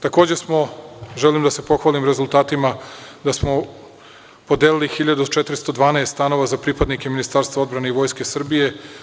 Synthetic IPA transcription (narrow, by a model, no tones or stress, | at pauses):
t̪ako̞ːd͡ʑesmo̞ʒelimd̪ase̞po̞xʋalimɾezulˠt̪aːt̪imad̪asmo̞ | pod̪eːlilixiʎad̪ut͡ʃet̪ɾist̪o̞d̪ʋaːneːst̪ano̞ʋazapɾipad̪nikeminist̪aːɾst̪ʋao̞d̪bɾaneiʋo̞ːjske̞sr̩bije̞